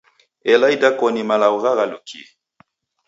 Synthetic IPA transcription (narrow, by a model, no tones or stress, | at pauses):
ɛlaidakɔnimalauɣaɣalukʰḭ